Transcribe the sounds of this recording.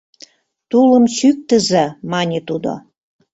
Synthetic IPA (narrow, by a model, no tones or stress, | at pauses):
t̪uləmɕyk̚t̪ə̆zemɑnʲet̪ud̪o̰